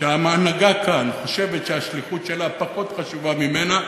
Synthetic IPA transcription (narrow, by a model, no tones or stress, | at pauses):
eamaːnaɡakʰanχo̞ʃe̞vetʃeaʃliχutʃe̞lapaχo̞tχaʃuvamime̞na